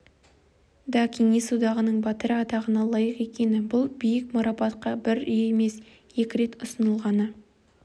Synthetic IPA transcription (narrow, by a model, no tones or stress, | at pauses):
d̪ɑkʲʰeŋisud̪ɑʁənəɴbɑt̪əɾɑt̪ɑʁənɑlˠɑjəqe̞kʲe̞nɪbʊlˠbijɪk̚muɾɑpɑt̪̚qɑbɪɾʏje̞me̞s | je̞kʲɪɾe̞t̪ʊsənəlˠʁɑnə